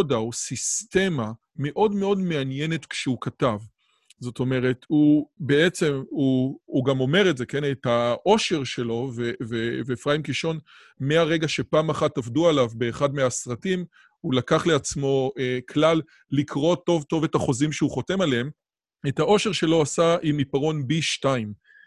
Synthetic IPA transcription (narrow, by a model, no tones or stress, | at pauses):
daosiste̞ma | me̞ʔo̞dme̞o̞dme̞anje̞netkʃeukatav | zo̞to̞me̞ʁe̞thube̞et͡se̞muuɡamo̞me̞ʁezeke̞netaʔo̞ʃe̞ʁʃe̞lo̞vevevefʁaimkiʃo̞n | meaʁe̞ɡaʃe̞paːmaχatavdualavbe̞ːχadmeasʁatim | hulakaχle̞at͡smo̞ekʰlalː | ikʁo̞to̞vto̞ve̞taχo̞zimʃeuχo̞te̞maleem | etao̞ʃe̞ʁʃe̞lo̞asaʔimipaʁo̞nbiʃtajim